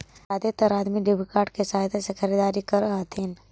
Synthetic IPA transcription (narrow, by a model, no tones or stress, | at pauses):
aːd̪et̪əɾaːd̪miɖɪbikaːʈkesaːɦd̪esexʰəɾiːd̪aːɾikɐɾəɦət̪ʰin